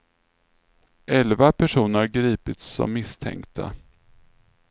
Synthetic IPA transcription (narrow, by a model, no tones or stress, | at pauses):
ʔɛlvapʰæʂuːnəɾɡɾiːpɪt̪sɔ̰mːɪst̪ʰɛ̰ŋkt̪ʰa̰